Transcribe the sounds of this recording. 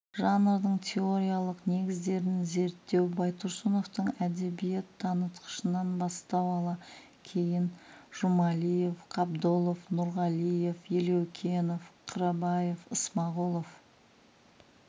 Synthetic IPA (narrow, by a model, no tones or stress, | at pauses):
ʒɑnəɾd̪əɴt̪ʲʰe̞oɾʲijalˠəqne̞ɡʲɪzd̪e̞ɾɪnze̞ɾt̪ːe̞wbɑjt̪ʰʊɾsunoft̪əɴæd̪e̞bije̞t̪ʰːɑnət̪qə̥ʃənɑnbɑst̪ɑwɑlˠɑ | kʲʰe̞jɪnʒ̥umɑlije̞fqʰɑbd̪olˠofnʊɾʁɑlije̞fjelewkʲʰe̞nofqʰʊɾɑbɑje̞fəsmɑʁulˠof